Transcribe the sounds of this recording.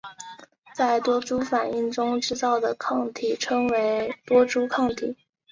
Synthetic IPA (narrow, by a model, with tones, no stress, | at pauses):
t͡sa˥˩ɪt̪wɔ˥ʈ͡ʂu˥fa˨˩ni˥˩ŋʈ͡ʂʊ˥ŋʈ͡ʂɻ̩˥t̪ɑ˥˩ʊd̪ə˩kʰɑ˥˩ŋt̪ʰi˨˩ʈ͡ʂʰɤ˥ŋwe˧˥ɪt̪wɔ˥ʈ͡ʂu˥kʰɑ˥˩ŋt̪ʰi˨˩˦